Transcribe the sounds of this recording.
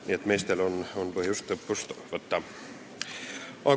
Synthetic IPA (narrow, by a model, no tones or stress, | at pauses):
niet̪me̞jst̪e̞lo̞nonpɤhjust̪lɤpːust̪vɤt̪ːɑ | ʔɑ